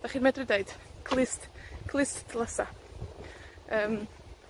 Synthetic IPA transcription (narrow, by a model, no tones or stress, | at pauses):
d̥aχiːrmɛdrɪdejd̥kʰlˠɪstkʰlˠɪstdʰlˠəsa̰ | əːm